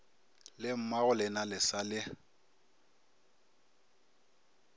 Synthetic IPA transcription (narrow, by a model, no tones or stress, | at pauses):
lɪm̩maɣʊlɪnalɪsalɪ